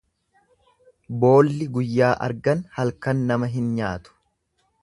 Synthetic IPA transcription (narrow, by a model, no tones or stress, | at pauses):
bo̞ːlːɪɡʊjːaːʔɐ̰ɾɡɐnhɐlkɐnːɐmɐɦɪnɲaːt̪ʊ̥